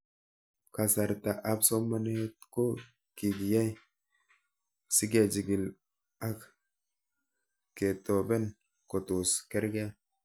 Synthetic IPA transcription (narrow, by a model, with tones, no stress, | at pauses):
ka˨sa˨ɾt̪a˨ʔa˦bso˦mːa˦ne˦t̪ko˦ | ki˨ɡi˨ja˦j | si˦ɡe˨d͡ʒi˨ɡi˨l | a˦k | ke˨t̪o˨bɛ˦n | ko˨t̪u˨ske˦ɾɡa˦